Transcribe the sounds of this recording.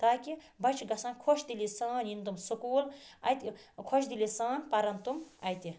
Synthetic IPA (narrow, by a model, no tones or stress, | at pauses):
t̪aːki | bɐt͡ʃʰɡɐsãːnkʰoʃd̪ilisãːnjint̪umsokuːlɐ̰jt̪ʲikʰoʃd̪ilisãːnpɐɾɐnt̪umɐjt̪i